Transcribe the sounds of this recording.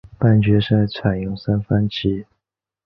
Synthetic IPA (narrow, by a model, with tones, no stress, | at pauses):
pa˥˩nt͡ɕɥɛ˧˥ʂa˥nʈ͡ʂʰa˨˩njʊ˥˩ŋsa˥nfa˥nt͡ɕʰi˧˥